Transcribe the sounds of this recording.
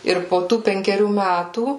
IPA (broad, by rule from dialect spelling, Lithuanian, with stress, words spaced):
ˈɪr poː ˈtuː pʲɛŋʲkʲɛˈrʲuː ˈmʲætuː